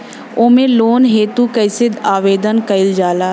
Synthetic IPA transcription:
oːmẽloːnɦeːt̪ukəɪsɪd̪aːʋeːd̪ənkɐɪld͡ʒaːlaː

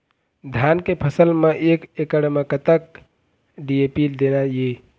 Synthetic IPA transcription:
d̪ʱjankepʰəsəlmeʔekekəɽmekət̪ək̚ | ɖiepild̪enaje

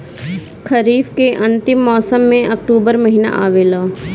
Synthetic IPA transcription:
kʰəɾiːfkeʔɐ̃nt̪ɪmːɔːsəmːẽʔɐk̚ʈuːbəɾmɐɦina̰ʔaːʋeːlaː

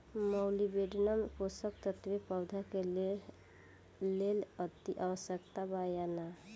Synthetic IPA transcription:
məwlibeɖʱnəmkosəkt̪ət̪ʋepəwd̪ʱake | lelət̪iʔawəsjəkt̪abajana

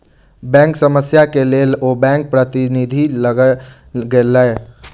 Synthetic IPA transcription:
bɛ̃ŋksəməsjakelelobɛ̃ŋk̚pɾət̪inid̪ʱiləɡ | ɡeləe

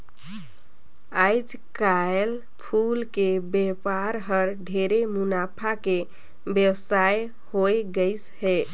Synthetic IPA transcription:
ajd͡ʒkael | pʰulkebepaɾɦəɾɖʱeɾemunapʰake | bjəwsaj | hoeɡəɪshe

